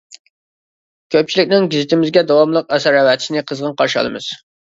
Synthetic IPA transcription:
kʲʰøp̚t͡ʃʰilɪkʲnɪŋɡʲizɪt̪ʰɪmɪzɡʲɛd̪ɑwɑmlˠəq̚ɛsæɾɛwɛt̪ʰɪʃɪnɪqʰəzʁənqɑɾʃɑ̰lˠɨ̰mɨz̥

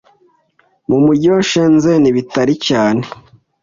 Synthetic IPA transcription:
mumuɟoʃenzeniβitaɾicaːne

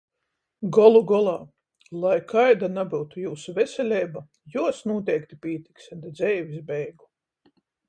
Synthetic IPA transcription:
ɡɔlˠuɡɔlˠɑː | lˠajkʰajd̪anabiwt̪ujuːsuvʲɛsʲɛlʲɛjba | juɔsnuɔt̪̬ʲɛjkt̪ipʲiːt̪iksat̪id̪zɛjvʲis̬bɛjɡu

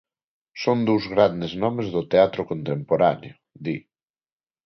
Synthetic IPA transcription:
sond̪uwzɣɾand̪eznɔmezðʊt̪eat̪ɾʊkont̪empoɾaneo | d̪i

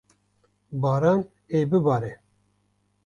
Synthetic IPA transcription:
bɑːɾɑːn | eːbɨbɑːɾɛ

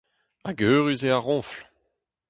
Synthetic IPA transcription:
aɡøːʁyzeaʁɔ̃ːfl

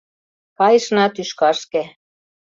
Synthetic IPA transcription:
kɑjɤ̆ʃnɑt̪yʃkɑʃke

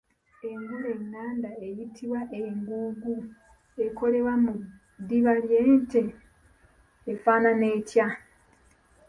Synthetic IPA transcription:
e̞ŋɡoɾeŋːaːndaejitʰiβwaʔeŋɡuːɡu | e̞ko̞le̞wamu | d̪iβaljeːnte | faːnane̞ːca

